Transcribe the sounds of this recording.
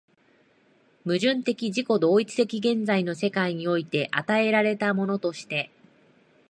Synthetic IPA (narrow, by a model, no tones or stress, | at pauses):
mɯ̟ʑɨ̃nt̪e̞kʲiʑiko̞d̪o̞ːit͡sɨ̥t̪e̞kʲiɡẽ̞nd͡zaino̞se̞kaiɲ̟io̞it̪e̞ʔat̪ae̞ɾaɾe̞t̪amo̞no̞t̪o̞ɕi̥t̪e̞